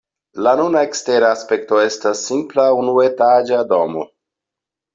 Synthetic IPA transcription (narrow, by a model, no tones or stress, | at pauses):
lanunaekste̞ɾaːspe̞kto̞e̞stasːimplaunuetad͡ʒado̞mo